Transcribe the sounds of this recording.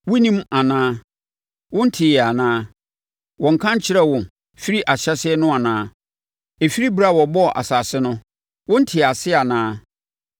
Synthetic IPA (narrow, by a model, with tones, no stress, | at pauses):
wʊ˦nĩ˦ma˨nãː˦ | wʊ̃˦n̩˦tʰɪ˨jɛ˨a˨nãː˦ | wɔ̃˨ŋ̩˨kʰã˦ɲ˦t͡ɕʰɪ˦ɾɛ˦wɔ̃˨n | fi˦ɾi˦ʔa˨ɕɛ˦sɪ˦ɛ˦nʊ̃˦a˨nãː˦ | e˨fi˦ɾi˦bɾa˦˨wɔ˨bɔ˦˨ʔa̰˨sa˨sɪ˦nʊ̃˦ | wʊ̃˦n̩˦tʰɪ˨a˨sɪ˦a˨nãː˦